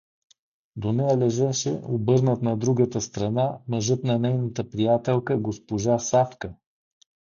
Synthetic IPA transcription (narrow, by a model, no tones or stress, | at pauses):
d̪onɛjalɛʒɛʃɛobɤɾnət̪nɐd̪ɾuɡət̪əst̪ɾɐnamɐʒɤt̪nɐnɛjnət̪əpɾijat̪ɛlˠkəɡospoʒasafkə